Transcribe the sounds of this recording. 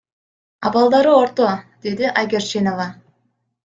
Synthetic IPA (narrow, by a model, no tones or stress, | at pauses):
ɑ̰bɑlˠd̪ɑɾəoɾt̪od̪̥e̞d̪ɪʔajɡʲeɾt͡ʃenovɑ